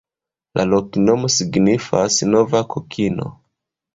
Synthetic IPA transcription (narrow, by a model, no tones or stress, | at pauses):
lʔa̰lɔkinɔmɔsiɡnifasinɔvakɔkʰinɔ̰